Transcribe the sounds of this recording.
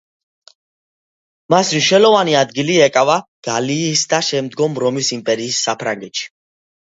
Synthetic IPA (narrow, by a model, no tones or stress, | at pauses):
masmiʃɛlɔvaniad̪ɡiliɛkʼavaɡ̥aliːsd̪aʃɛmd̪ɡɔmɾɔmisimpʼɛɾiːsːapʰɾaŋɡɛt̪ʃi̥